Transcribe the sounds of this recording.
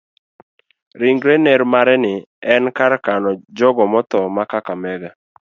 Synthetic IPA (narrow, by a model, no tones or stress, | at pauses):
ɾiŋɡɾeneɾmaɾɛnɪ | ɛnkaɾkanɔd͡ʒɔɡɔmɔt̪ɔmakakamɛɡa